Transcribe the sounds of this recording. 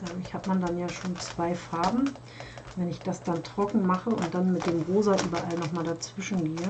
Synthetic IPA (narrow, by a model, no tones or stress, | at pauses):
ʔɛːmɪçhaːtmandanjaːʃoːnt͡sv̥aɪfaɐbm̩ | vɛnɪçd̥asd̥antʁ̥ɔkŋ̩maχəʊ̰nt̚d̥anmɪt̚d̥eːmʁoːzaʔyːbɐʔalnɔχmaːldat͡sv̥ɪʃn̩ɡeːə